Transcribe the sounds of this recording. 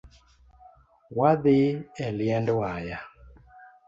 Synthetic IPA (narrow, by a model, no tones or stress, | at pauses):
waðɪɛliɛndwaja